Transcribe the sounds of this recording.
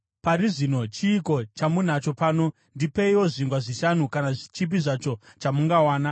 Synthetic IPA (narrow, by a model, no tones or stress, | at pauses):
paɾiʐino̞t͡ʃiːko̞t͡ʃamun̤at͡ʃo̞paːno̞ | ndipeiwo̞ʐiŋɡwaʐiʃan̤ukanaʐit͡ʃip̬iʐat͡ʃo̞t͡ʃamuŋɡawaːna